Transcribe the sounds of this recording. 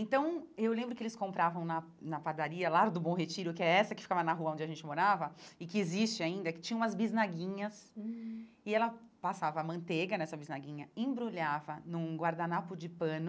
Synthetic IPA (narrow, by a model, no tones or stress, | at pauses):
ẽt̪ɐ̃w̃ewlẽmbɾʊkɪelɪskõmpɾavɐ̃w̃nɐ | nɐpad̪aɾiɐlaɾd̪ʊbõw̃ɦet͡ʃiɾʊkɪɛɾɛsɐkɪ̥fi̥kavɐnɐɦuɐõd͡ʒɪaʒẽnt͡ʃɪmoɾavɐɪkɪezist͡ʃɪaĩnd̪ɐkɪt͡ʃĩɲɐ̃umɐzbiznaɡĩɲɐs | ɪɛlɐpasavɐːmɐ̃nt̪eɡɐnɛsɐbiznaɡĩɲɐẽbɾuʎavɐnũɡwaɾd̪anapʊd͡ʒɪpɐ̃nʊ